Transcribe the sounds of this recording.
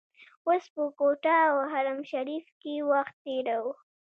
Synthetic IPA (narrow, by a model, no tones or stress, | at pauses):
ospəkoʈawɦaɾamʃaɾifkewaxt̪ːeɾawu